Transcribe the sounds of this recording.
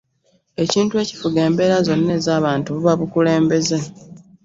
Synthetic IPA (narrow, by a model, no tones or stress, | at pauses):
e̞ciːntue̞ci̥fuɡe̞ːmbe̞ːɾazo̞nːe̞ːzaːβaːntuβuβaβukule̞ːmbe̞ze